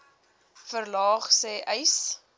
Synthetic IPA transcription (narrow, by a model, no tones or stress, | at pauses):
fərlɑːχsɛːʔəjs